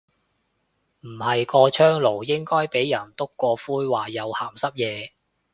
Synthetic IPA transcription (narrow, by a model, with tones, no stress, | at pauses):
m̩˨˩hɐ˨jkɔː˧t͡ʃʰœː˥ŋlo˨˩wjɪ˥ŋkɔː˥jpe˨˥jjɐ˨˩nt̪ʊ˥kːɔː˧fuː˥jwaː˨jɐ˨˧whaː˨˩msɐ˥p̚jɛː˨˧